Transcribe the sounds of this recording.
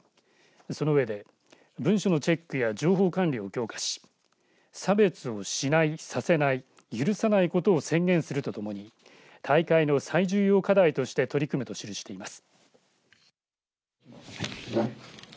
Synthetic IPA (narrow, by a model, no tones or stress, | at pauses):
so̞noɯ̟βe̞d̪e̞ | bɯ̟̃ɰ̃ɕo̞no̞t͡ɕe̞kːɯ̟jad͡ʑo̞ːɦo̞ːkãnɾʲio̞kʲo̞ːkḁɕi̥ | sabe̞t͡sɨo̞ɕinaisase̞nai | jɯɾɯ̟sanaiko̞t̪o̞ːsẽ̞ŋɡẽ̞ɰ̃sɨɾɯ̟t̪o̞t̪o̞mo̞ɲ̟i | t̪ʰaikaino̞saiʑɨːjo̞ːkad̪ait̪o̞ɕi̥t̪e̞t̪o̞ɾʲikɯmɯ̟t̪o̞ɕiɾɯ̟ɕi̥t̪e̞imasɨ̥